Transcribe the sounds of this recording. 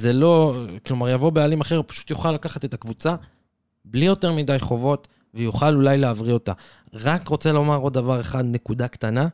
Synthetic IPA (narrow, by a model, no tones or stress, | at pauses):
zelo̞klo̞maʁjavo̞bealimaχe̞ʁpḁʃu̥t̪juχalːakaχate̞takvut͡sa | blijo̞te̞ʁmidajχo̞vo̞t̪ | vejuχalulajleavʁio̞t̪a | ʁakʁo̞t͡se̞lo̞maʁo̞d̪̚avaʁe̞χad̪ne̞kud̪akt̪ana